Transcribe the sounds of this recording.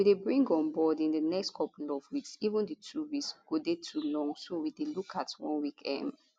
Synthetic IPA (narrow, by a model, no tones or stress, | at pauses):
widebɹĩŋɡɔ̃nbɔdĩndənɛkstkʰɔplɔvwiksivə̃ndətʰuɹisɡ̥odetʰulɔ̃ŋsowidelukʰatwɔ̰̃nwikʰɛ̰̃n